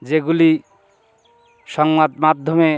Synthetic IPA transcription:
d͡ʒeɡuli | sɔŋmat̪mad̪ʱːɔme

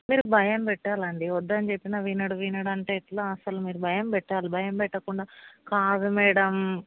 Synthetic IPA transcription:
miːɾubʱɐjɐmpɛʈːaːlɐɳɖiʋɔd̪ːɐnt͡ʃepːinaʋinɐɽuʋinɐɽɐɳʈeːʈloɐsɐlumiːɾubʱɐjɐmpɛʈːaːlibʱɐjɐmpɛʈːɐkuɳɖaːkaːd̪umɛːɽɐm

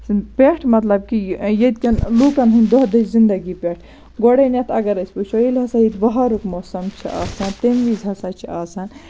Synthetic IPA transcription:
pʲeʈʰmɐt̪lɐb̚kijed̪̚kʲɐnlukɐnɦunʲd̪oɦd̪ɐszind̪ɐɡipeʈʰ | ɡoɽɐnʲɐt̪ʰɐɡɐɾɐsʲput͡ʃʰoilʲɦɐsait̪bɐɦaɾukmoːsɐmt͡ʃʰiʔa̰ːsɐnt̪emʋizɦɐsat͡ʃʰiaːsan

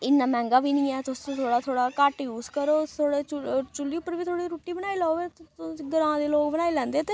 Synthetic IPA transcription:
ɪnːãːmɛ̃ːŋɡaːbiːnĩːɛːt̪ʊsõt̪ʰoːɽaːt̪ʰoːɽaːkəʈjuːzkəɾoːt̪ʰoːɽeːt͡ʃʊt͡ʃʊlːiːʊpːəɾʋiːt̪ʰoːɽiːɾuːʈiːbənaːiːlaoːʋeːɡəɾãːd̪eːloːkbənaːilɛ̃ːnd̪eːt̪eː

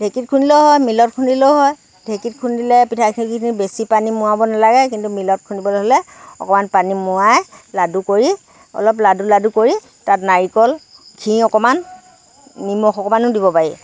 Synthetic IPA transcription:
d̥ʱekitkʰunilɛʊɦɔjmilɔt̚kʰundilɛʊɦɔj | dʱekit̚kʰundilɛpitʰakʰikʰikʰinibesipanimʊwabɔnalaɡɛk̬intumilɔt̚kʰunibɔlɦɔlɛɔ̰kɔmanpanimʊajladukoɹi | ɔ̰lɔp̬laduladukoɹi | tatnaɹikɔl | kʰĩɔkɔmanː | imɔxɔkɔmanʊ̃dibɔpajḭ

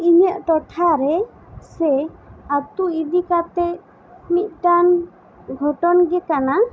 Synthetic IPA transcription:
iɲəʔt̪ɔʈʰaɾɛ | sɛat̪uid̪ikat̪ɛ | mit̪̚ˀʈan | ɡʱɔʈɔnɡɛkana

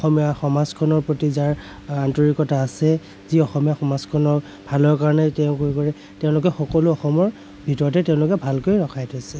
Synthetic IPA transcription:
ɔxɔmijaxɔmazkʰɔnɔɹpɹotizaɹ | antɔɹikɔtaːsɛ | ziɔxɔmijaxɔmazkʰɔnɔɹ | b̥ʱalɔɹkaɹɔnɛtɛʊ̃koɹikɔɹɛ | tɛʊ̃lʊk̬ɛxɔkɔlʊɔxɔmɔɹ | bʱitɔɹɔtɛtɛʊ̃lʊkɛbʱalkojɹɔkʰajtʰɔsɛ

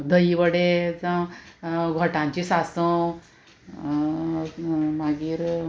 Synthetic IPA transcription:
d̪ʱəjiʋəɽed͡zə̃ | ɡʱɔʈãɲt͡ɕisasə̃ | maɡiːɾ

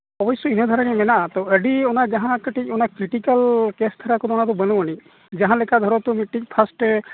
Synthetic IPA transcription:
ɔbɔsɔinəd̪ʱaɾaɽɛmɛnaʔat̪ɔəɖiɔnad͡ʒaɦãkəʈic̚ˀɔnakɾiʈikalkest̪ʰaɾakɔd̪ɔɔnat̪ɔbənuwani | d͡ʒaɦãlɛkad̪ʱɔɾɔt̪umiʈik̚pʰasʈ

